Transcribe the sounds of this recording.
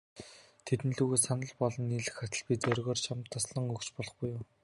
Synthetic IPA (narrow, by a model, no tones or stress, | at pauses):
t̪ʰet̪ɘ̆nɮuːɣeːsanə̆ɮpɔɮɞ̆nːiːɮɘ̆xχat̪ə̆ɮpʲit͡sœɾʲɣɔːrt͡ɕʰamt̪ʰːɔsɮə̆ŋɵkt͡ɕpɔɮɞ̆χɡujːʊm